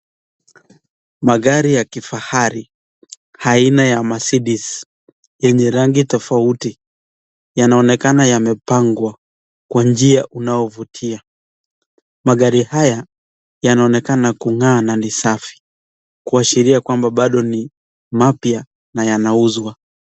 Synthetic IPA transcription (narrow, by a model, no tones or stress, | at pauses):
maɠaɾijakifahaɾi | hainajamasiɗis | jɛɲɛɾaŋɡitɔfauti | janaɔnɛkanajamɛpaŋɡwa | kwand͡ʒiaʔunaɔvutʰia | maɠaɾihaja | janaɔnɛkanakuŋaːnanisafi̥ | kuaʃiɾiakwambaɓaɗɔni | mapja | najanauzwa